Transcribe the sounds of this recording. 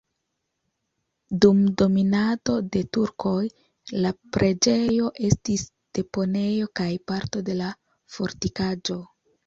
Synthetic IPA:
dumdo̞minato̞de̞tuɾkʰo̞j | lapɾʔe̞d͡ʒe̞jo̞ʔe̞stis | d̥e̞po̞ne̞jo̞kajpaɾto̞de̞la | fo̞ɾtikad͡ʒo̞

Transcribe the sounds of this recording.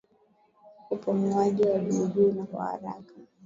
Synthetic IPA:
upaŋuaʄiwaɗiʄuːnakwa̰ha̰ɾa̰ka

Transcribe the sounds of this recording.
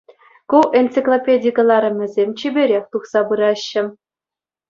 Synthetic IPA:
kuʔent͡siklˠopʲedʲijkɤ̆lˠɑɾʲɘ̆mʲɘ̆zʲemʲt͡ɕibʲeɾʲexʲt̪uχsɑpɯɾɑɕːɘ̆

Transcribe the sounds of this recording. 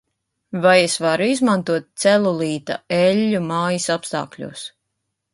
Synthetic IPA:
vajesvaɾuizmant̪uɔt̪̚t̪sɛlˠulˠiːt̪a̰ɛlʲːumaːjisapst̪a̰ːklʲṵːs

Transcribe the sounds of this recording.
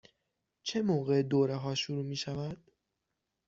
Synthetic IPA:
t͡ʃʰe̞moːɣe̞d̪oːɾeɦɒːʃuɾuːmiːʃævæd̪̥

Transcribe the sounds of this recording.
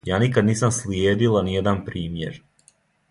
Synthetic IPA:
jaːnikad̪niːsamsljeːd̪ilanijed̪anpɾiːmjḛɾ

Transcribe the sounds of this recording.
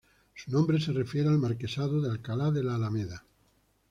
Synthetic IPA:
sunõmbɾes̬erefjeɾealmaɾkesaðoðealkalaðelaːlameða

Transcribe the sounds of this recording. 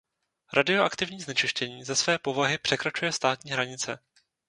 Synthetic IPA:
ɾadɪo̞ʔakt̪ɪvɲiːznɛt͡ʃɪʃcɛɲiːzasvɛːpo̞vaɦɪpr̝̥ɛkɾat͡ʃujɛst̪aːt̪ɲiːɦɾaɲɪt͡sɛ

